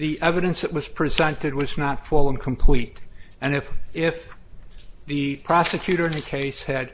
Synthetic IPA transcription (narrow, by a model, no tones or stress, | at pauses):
ðiʔɛvɨɾɨ̃nsðɨʔ̚wʌz̥pʰɹ̥izɛ̃ntɨd̚wʌznətfʊlˠə̃nkʰm̩pʰl̥iɾɨ̃nɨfɪf | ðɨpʰɹ̥ɑsɨkʰj̥ʉɾə˞ɨ̃nɨkʰeɪshɨd̥̚